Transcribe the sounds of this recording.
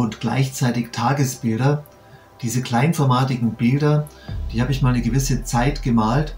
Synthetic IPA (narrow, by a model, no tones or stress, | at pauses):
ʊntɡ̥la̰ɪçt͡saɪtɪçtʰaːɡəsb̥ɪldɐ | d̥iːzəkl̥aɪnfɔɐmaːtɪɡŋ̩bɪldɐ | d̥iːhaːbəɪçmaːlnəɡəvɪsət͡saɪtɡ̥əmaːlt